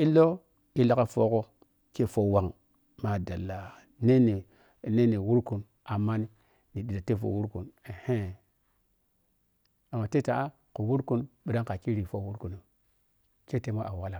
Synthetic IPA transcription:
i˦lːo˦ | i˦la˦ka˦fo˦ko˦ | ke˦˨fo˦wa˨ŋ | ma˨da˨lːa˨ | ne˦ni˨ | ne˦ni˨wu˦ɾku˨n | a˨mːa˦ni˦ | ni˨ɗi˨da˨te˦fo̰˨wu˦ɾku˨ne˨he˦˨ | a˨mːa˨te˦ta˨ʔa˦ | ku˨wu˦ɾku˦nɓi˨da˦ŋka˨ki˦ɾi˨fo˦wu˦ɾku˨ni˨ | ke˦te˦ma˦ʔa˨wa˦la˨

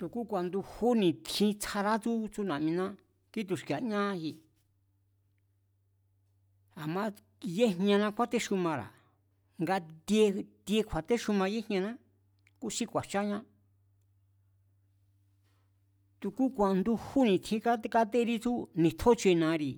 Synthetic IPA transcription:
t̪u˧ku˦kʷa˧nd̪u˧hu˦nĩ˨t̪ʰĩ˧t͡sʰa˧ɾa˦t͡su˦t͡su˦nã˨mĩ˧nã˦ | ki˦t̪̬u˧ʃka˨ɲã˦˧hi˧ | a˨mã˦ | je˦ɲɲã˧nã˧kʷa˦t̪e˦ʃu˧mã˧ɾa̰˨ | ŋɡa˧d̪je˧d̪je˧kʷʰa˨t̪e˦ʃu˧mã˧je̥˦˧ɲã˧nã˦ | ku˦si˦kʷa˨t͡ʃa˦ɲã˦ | t̪u˧ku˦kʷa˨˧nd̪u˧hu˦nĩ˧t̪ʰĩ˧ka˦ka˦t̪e˦ɾi˦t͡su˦nĩ˨t̪ʰo˦t͡ʃe˧nã˧ɾi˧˨

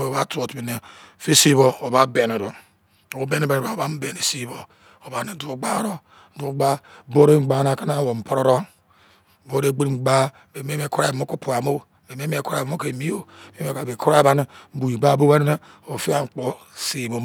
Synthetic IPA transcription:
e˨o˨βa˦to˨tbi˨ne˨fi˦si˦βo˨o˨ba˦be˨ne˨ɾo˨ | o˦be˦ne˦be˨ne˨a˨o˨ba˦m̩˦be˨ne˨si˦bo˨ | o˨ba˨ni˨˦du˨˦ɡ͡ba˦ɾo˦ | du˨˦ɡ͡ba˦bo˦ɾe˦ŋ͡m̩˦˨ɡ͡ba˨na˨ka˦na˦˨wo˨m̩˨po˦ɾo˦ɾo˦˨ | bo˦ɾe˦ɡ͡bi˦ɾŋ͡m̩˨ɡ͡ba˦˨ | be˨m˦e˦m˦e˦˨ku˦ɾa˦˨ba˨mo˦ku˦pu˨a˨mo˦˨be˨me˦m˦e˦ku˦ɾa˦˨ba˨mo˦ke˨mi˦o˦˨m˦e˦e˦˨a˨be˨ku˦ɾa˦ba˦ni˦bu˨i˨ba˦bo˦we˦ne˦e˦ | o˨fi˦a˦ŋ͡m̩˨k͡po˦si˨bo˨

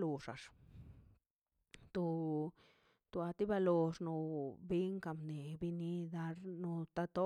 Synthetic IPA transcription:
lu˨ʂa̰˨ʂ | t̪o˧ | t̪u˨a˧t̪i˦ba˧lo˧ʂno˧bi˦ŋka˧mne˨bi˧ni˦d̪a˧ɾnu˧t̪a˦t̪o˦

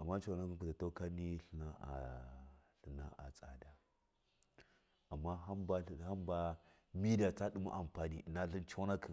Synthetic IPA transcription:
a˨mːa˦t͡ʃo˦˨na˦ku˦ku˨da˨to˦ka˦ni˦ɬə˨na˦ʔa̰˨ | ɬə˨na˦a̰˨t͡sʼa̰˨da˨ | a˨mːa˦ɦa˦mba˦˨ha˦mba˦ | mi˦da˨t͡sa˦ɗu˦ma̰˦ʔa˨mpa˨nḭ˦˨na˦ɬi˦nt͡ʃo˦na˦ki˨

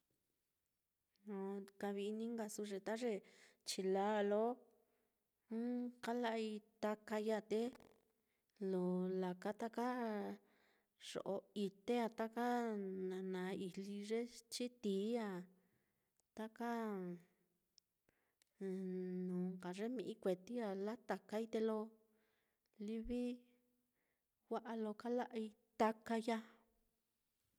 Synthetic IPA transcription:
nõ˧ka˧βi˧i˧nĩ˦ŋɡa˧su˧ʐe˧t̪a˦ʐe˧t͡ʃi˧la˦˧lo˦ | ka˦la˧i˧t̪a˧ka˧ja˧˨t̪e˦ | lo˨la˨ka˧t̪a˦ka˦ | ʐ̥o̰˨ʔo˧i˧t̪e˦a˧t̪a˦ka˦nã˨nã˨˦i˧˨li˧ʐe˦t͡ʃi˦t̪iː˨˦a˧ | t̪a˦ka˦˨ | nũ˨ŋka˨ʐe˦mĩ˧ʔĩ˦kʷe˨t̪i˦a˧la˦t̪a˨˧ka˧i˦t̪e˧lo˧ | li˧βi˦ | wʷa˦ʔa˧lo˧ka˦la˦ʔi˧ | t̪a˧ka˧ja˧

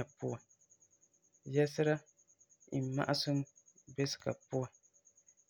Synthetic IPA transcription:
a˨pʊ˦a˨ | jɛ˦sɨ˦ɾa˦ | i˨ma̰˦ʔa˦sʊ˦m˦bɛ˦sɨ̥˨ka̰˨pʊ˦a˨

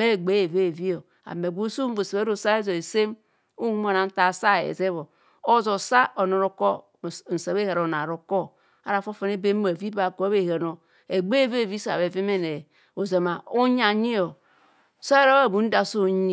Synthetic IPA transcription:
me˦˨ɡ͡be˨˦e˨ve˦˨vi˦o˨ | a̰˨me˨ɡʷo˦so˦m˦bo˨se˨e˦ɾo˨sa˦e˦zo˨e˨se˦m | u˦m˦o˦˨na˨n̩˦ta˨sa˦˨ḛ˨ze˦βo˨ | o˦zo˨sa˦o˨no˨ɾo˨ko˦˨ | n̩˨sa˨βe˦ha˨ɾo˨na˨ɾo˨ko˦ | a˦ɾa˨fo˦fe˨ne˦be˦m˦a˨vi˦ba˨kβe˦˨ha˨no˨ | e˨ɡ͡be˦ve˦˨vi˦sa̰˨βe˨vi˦me˦ne˨ | o˨za˨ma˨o˦ɲ˦a˨ɲi˦o˨ | so˦e˦ɾo˦a˦˨bu˨˦n̩˦da˨so˦ɲi˦˨

